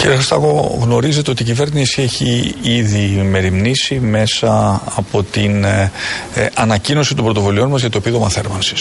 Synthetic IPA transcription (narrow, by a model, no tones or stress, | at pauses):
ciɾiɐxɾist̪ɐɣo̞ɣno̞ɾize̞t̪e̞o̞t̪iːcive̞ɾnisie̞çiiðime̞ɾimnisime̞sɐɐpo̞t̪in | ɐnɐcino̞sit̪ombɾo̞t̪ovulio̞nmɐzʝɐt̪o̞epiðo̞mɐθe̞ɾmɐnsi̥s